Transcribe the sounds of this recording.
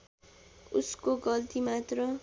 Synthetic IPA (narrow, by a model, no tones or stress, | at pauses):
uskoɡʌlt̪imat̪rʌ